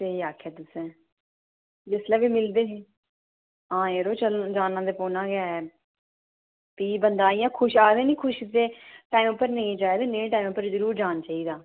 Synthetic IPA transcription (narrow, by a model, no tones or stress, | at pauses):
teiːaːkʰɛːt̪ʊsɛ̃ː | d͡ʒɪslɛːʋiːmɪld̪eːsiː | ɦãːeːɾoːt͡ʃəld͡ʒaːnːãːd̪eːpoːnãːɡaɛ | piːbənd̪aːijãːkʰʊʃaːɾẽːnĩːkʰʊʃɪseːʈaːiːmʊpːəɾnẽĩːd͡ʒaːeːd̪eːnẽːẽʈaːiːmːpːəɾzəɾuːɾd͡ʒaːnt͡ʃaːiːd̪aː